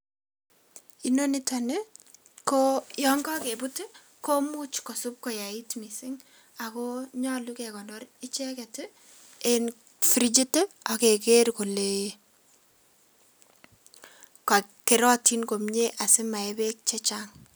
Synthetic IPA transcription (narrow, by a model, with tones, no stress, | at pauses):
i˦no˦nɪta˨ne | kojɔŋɡɔ˦ke˨bʊtɪ˦ | ko˦mu˦t͡ʃkɔ˨sʊ˦p̚kɔ˨ja˨i˦tmi˨sɪ˦ŋ | a˨kɔ˦ɲɔ˦lu˦kɛ˨kɔ˨nɔrɪ˦t͡ʃɛ˦kɛ˨tɪ | en | fɾi˦d͡ʒi˦tɛ˦a˨ke˨ke˦ɾko˨le | ka˨ | ke˨ɾɔ˦ti˦nko˨mɲe˦ʔa˨sɪ˦ma˨ɛbe˦k̚t͡ʃɛ˦t͡ʃaŋ